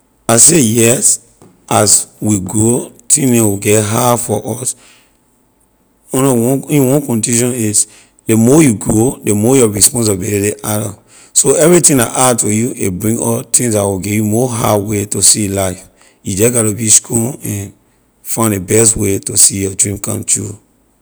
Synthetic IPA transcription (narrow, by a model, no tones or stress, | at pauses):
asejɛs | ʔaswiɡɹotʰĩnɛ̃wiɡɛɦafɔʔɔs | ɔnɔwɔ̃wɔ̃nkɔ̃ŋkluʃɔ̃niz | demɔjuɡɹodemɔjɔɹispɔ̃ns̬biɾideʔaɾɔ | soɛvɹitĩŋdaʔatojuebɹĩŋɡɔtʰĩŋsdawiɡɛjumɔɦawetosilaɪf | jud͡ʒɛɡɔtobiskʰulɛ̃n | fãɪ̃ndebɛstwetosijɔdɹĩmkã̰mtʰɹu